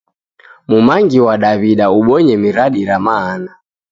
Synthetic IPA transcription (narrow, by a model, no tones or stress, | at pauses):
mumaŋɡiwaɗaβiɗauɓɔɲɛmiɾaɗiɾamaːna